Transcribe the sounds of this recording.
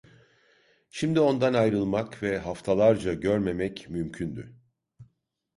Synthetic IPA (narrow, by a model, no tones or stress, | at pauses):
ʃimd̪io̞nd̪anajɾɯlˠmakvɛɦaft̪ʰalˠaɾd͡ʒaɟøɾme̞mɛcmymcʰynd̪y̰